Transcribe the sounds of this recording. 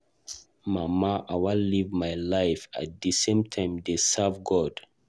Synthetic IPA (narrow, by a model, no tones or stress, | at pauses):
mamaʔawalivmajlaɪfa̰t̚disẽmtʰãɪ̃mdesavɡɔd̥